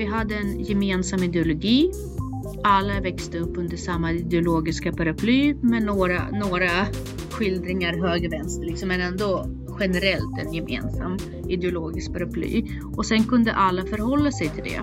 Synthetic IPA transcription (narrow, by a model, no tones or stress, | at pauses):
vɪɦad̪ːəɛnjɛmeːnsamːɪd̪ɛʊlʊɡiː | alːavɛkst̪əɵpːɵnd̪əʂamːaɪd̪ɛʊloːɡɪskapʰaɾapʰlyːmɛnoːɾanoːɾa | ɧɪld̪ɾɪŋaɾɦøːɡvɛnst̪əɭɪksɔmːɛnɛnd̪ɔ | ɧɛnɛɾɛlt̪ɛ̰njɛmḛːnsa̰mː | ɪd̪ɛʊloːɡɪsk̚pʰaɾapʰly̰ː | ɔsɛnkɵnd̪ə̰ʔalːafœɾhɔlːasɛjt̪ʰɪld̪ɛ̰